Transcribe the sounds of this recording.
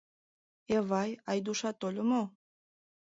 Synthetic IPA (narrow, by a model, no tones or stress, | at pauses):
eβɑjɑjd̪uʃɑt̪olʲomo